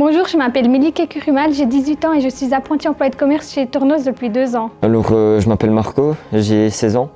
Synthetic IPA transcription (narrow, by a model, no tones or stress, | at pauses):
b̥ɔ̃ʒuːʁʒəmapɛlmelikakʲyʁymalʒed̪izɥit̪ɑ̃eʒəsɥizapχɑ̃t̪iɑ̃pwaad̪əkɔmɛʁsʃet̪ɔʁnozd̪əpɥid̪øzɑ̃alɔʁøʒəmapɛlmaʁkoʒesɛzɑ̃